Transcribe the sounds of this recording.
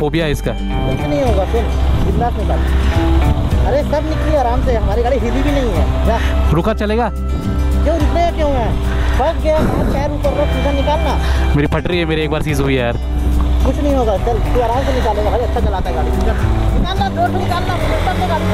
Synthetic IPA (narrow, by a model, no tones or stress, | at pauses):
poːbʱijaɦɛɪska | kʊt͡ʃʰnɐɦĩɦoːɡafɪnɡɪlːaːsnɪkaːla | ɐɾesɐbnɪkleaːɾaːmseɦɐmaːɾiɡaːɽiɦilibʱinɐɦĩɦɛ̰ːkaːʃʊɾuːkat͡ʃɐleːɡaː | d͡ʒoːɾʊpeɦekjõːɦɛː | pɐkɡɐjakɛːɾkɐɾːesiːzãnɪkaːlnaːmeːɾipʰɐʈɾiɦɛmeːɾieːk̚baːɾsiːzɦuiaɾ | kʊt͡ʃʰnɐɦĩɦoːɡad̪ɐld͡ʒoaːɾaːmsenɪkaːleːɡaɦaːɾiɐtːʃʰat͡ʃɐlaːk̪aiɡaːɽikʊkɐɾnɪkaːlnaloːɽsenɪkaːlnaɪlosɐɾnɪkaːlː